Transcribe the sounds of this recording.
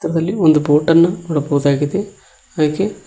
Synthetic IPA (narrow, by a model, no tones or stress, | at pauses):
t̪ɐɾɐd̪ɐlːiond̪uboːʈɐɾnːɐkuːɽɐbɐɣud̪aːɡid̪e̞ | ɐðɐkːe